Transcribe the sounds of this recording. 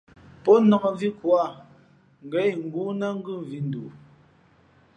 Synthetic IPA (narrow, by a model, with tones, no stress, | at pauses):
pɔ˦nɔ˨ŋɔ˨vi˦kwa˦˨ | ŋ˨ɡɛ˨˦jŋ̩˨ɡu˦na˦ŋ̩˦ɡɯ˦˨m˨vi˦n̩˦duː˨